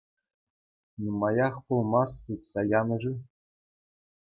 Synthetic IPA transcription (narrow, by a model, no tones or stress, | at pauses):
numɑjɑχpulˠmɑsutsɑjɑnɤ̆ʐɯ